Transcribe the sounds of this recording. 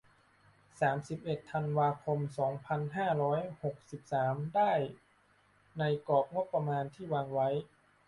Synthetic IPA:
saː˩˦msi˨˩p̚ʔe˨˩t̪ʰːa˧nwaː˧kʰo˧msɔː˩˦ŋpʰa˧nɦaː˥˩ɾɔː˦˥jho˨˩k̚si˨˩p̚saː˩˦mdaː˥˩j | na˧jkɔː˨˩p̚ŋo˦˥pːɾa˧maː˧nt̪ʰiː˥˩waː˧ŋwa˦˥j

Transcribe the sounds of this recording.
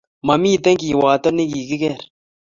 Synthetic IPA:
mɐ˨miː˦t̪e˦ŋkiː˨waː˨t̪o˦ni˦ɡiː˨ɡi˦ɡe˦˨ɾ

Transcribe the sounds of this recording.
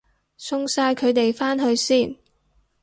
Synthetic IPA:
sʰʊ˥ŋsaː˧jkʰɵ˨˧ɥt̪e˨jfaː˥nɦɵ˧ɥsiː˥˩n

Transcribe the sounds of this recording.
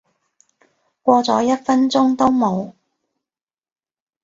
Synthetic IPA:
kʷɔː˧t͡sɔ̰ː˨˥jɐ˥t̚fɐ˥nt͡sʊ˥ŋt̪o˥wmo˨˧w

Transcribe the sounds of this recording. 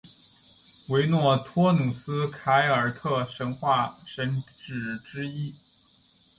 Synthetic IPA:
we˧˥ɪnwɔ˥˩t̪ʰwɔ˥nu˨˩sɹ̩˥kʰa˧˥ɪə˞˨˩˥t̪ʰɤ˥˩ʂə˧˥nxwa˥˩ʂə˧˥nʈ͡ʂɻ̩˨˩ʈ͡ʂɻ̩˥i˥

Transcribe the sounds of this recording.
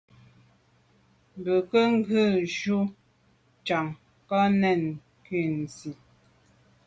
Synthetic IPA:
bə˨kə˦ŋ̩˦ɡə˦˨ʒu˦ | t͡ʃa˨ŋ | kɔ˦nɛ˨n | ki˦˨n̩˨zi˨

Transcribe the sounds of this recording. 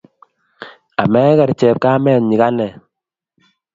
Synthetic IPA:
a˨mɛ˦kɛ˨ɾt͡ʃɛ˨p̚kaː˦mɛ˨nɲi˨ka˦nɛ˨

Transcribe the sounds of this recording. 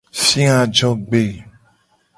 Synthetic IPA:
sĩ˦ã˨d͡ʒɔ˦ɡ͡be˨

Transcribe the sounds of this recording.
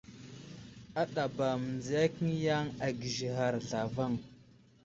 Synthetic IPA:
a˦ɗa˨ba˨mə˨nd͡zi˨ja˦kə˦ŋ˦ja˦ŋa˨ɡi˨ʒi˨ɦa˨ɾɮa˨va˦ŋ

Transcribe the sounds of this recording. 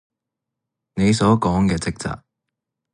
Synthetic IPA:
ne˨˧jsɔː˨˥kɔː˨˥ŋkɛː˧t͡sɪ˥k̚t͡sa̰ː˨k̚

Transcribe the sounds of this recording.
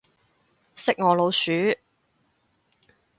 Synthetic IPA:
sɪ˥k̚ŋɔː˨˧lo˨˧wsyː˨˥

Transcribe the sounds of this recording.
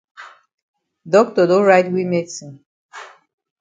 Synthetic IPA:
dɔ˦k̚tɔ˨do˦ɹajtwi˦me˦tsĩ˨

